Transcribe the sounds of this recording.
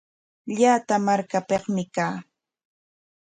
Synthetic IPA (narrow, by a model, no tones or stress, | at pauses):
ʎaːt̪amaɾkapeχmɪkaː